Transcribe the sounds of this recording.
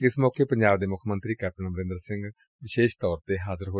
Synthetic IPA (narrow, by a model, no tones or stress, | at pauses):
ɪsmɔːkeːpəɲd͡ʒaːbd̪eːmʊkʰmə̃nt̪ɾiːkɛːp̚ʈənbəɾɪ̃nd̪əɾsɪ̃ŋɡ | ʋɪʃeːʃt̪ɔːɾt̪eːɦaːzəɾɦoː